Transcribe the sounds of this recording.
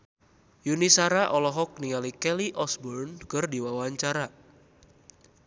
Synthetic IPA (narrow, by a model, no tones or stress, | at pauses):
junisaɾaʔɔlɔɦɔk̚niŋalikɛliʔɔsbɔrnkərdiwawaɲt͡ʃaɾa